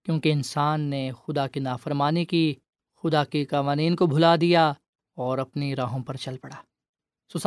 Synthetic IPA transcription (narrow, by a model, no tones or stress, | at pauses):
kjõːkiɪnsaːnːexʊd̪akinaːfɐɾmaːniki | xʊd̪akikaʋaːniːnkobʱʊlad̪ija | ɔːɾɐpniɾaːɦõpɐɾt͡ʃɐlpɐɽaː | sʊs